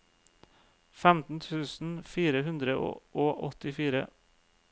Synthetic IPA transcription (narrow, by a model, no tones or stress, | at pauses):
fæmt̪n̩t̪ʰʉːsn̩fiːɾəhʉnd̪ɾəo̰ʔoːʔɔt̪ɪfiːɾə̰